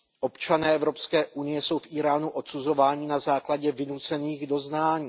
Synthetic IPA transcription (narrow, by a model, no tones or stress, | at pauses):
ʔo̞pt͡ʃanɛːʔɛvɾo̞pskɛːʔunɪjɛso̞wfʔiːɾaːnuʔo̞t̪t͡suzo̞vaːɲɪnazaːklaɟɛvɪnut͡sɛniːɣdo̞znaːɲiː